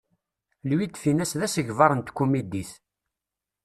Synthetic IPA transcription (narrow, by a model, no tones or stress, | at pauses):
lwit̪finæsðæsəʝvɑɾˤənt̪kːumid̪iθ